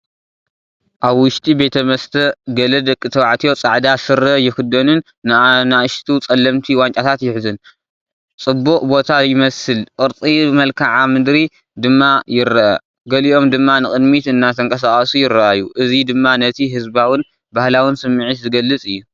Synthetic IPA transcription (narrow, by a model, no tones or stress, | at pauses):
ʔaβwʊʃt̪ʼibe̞t̪ʰɐmɐst̪ʰɐɡɐlɐd̪ɐkʼːɨt̪ʰɐwaʕt̪ʰijo̞t͡sʼaʕd̪asɨɾːɐjɪxɨd̪ːɐnun | naʃt̪ʰut͡sʼɐlːɐmt̪ʰiwant͡ʃʼat̪ʰat̪jɪħzɨn | t͡sʼɨbːuʔʼbo̞t̪ʰajɪmɐsɨlqʼɨɾt͡s̪ʼibɨmɐlkʰaʕamɨd̪ɾi | d̪ɨmːajɪɾaʔa̰ | ɡɐliʔo̞md̪ɨmːanɨχʼɨd̪mit̪ɨnːat̪ʰɐŋkʼɐsaχʼɐsujɪɾːɐʔajːuʔɨzid̪ɨmːanɐt̪ʰiɦɨzbawɨn | bahlawɨnsɨmːɨʕɨt̪zɨɡɐlːɨt͡sʼɨjːu